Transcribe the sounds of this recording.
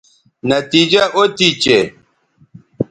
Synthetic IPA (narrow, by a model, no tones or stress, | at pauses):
nɐt̪id͡ʒaʔotit͡ʃe